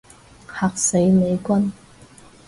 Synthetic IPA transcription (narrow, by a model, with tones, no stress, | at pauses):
ha˨k̚se˨˥jme˨˧jkʷɐ˥n